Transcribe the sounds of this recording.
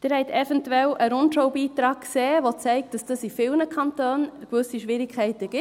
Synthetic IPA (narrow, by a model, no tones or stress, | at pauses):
d̪̥ɪɾhɛɪtʰɛfɛntuɛlʔəɾʊntʃowbiːtɾɑːkkseːʋot͡sɛɪk̚t̚d̥ɑsd̥əsifɪlnəkʰɑntøːnkʋɵsiʃʋɪɾɪkʰχɛɪtəɡ̥ɪ